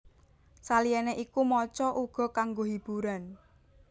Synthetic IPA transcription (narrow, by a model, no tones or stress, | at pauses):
salijɛneʔikumɔt͡ʃɔʔuɡ̥ɔ̤kaŋɡoɦib̥ṳɾan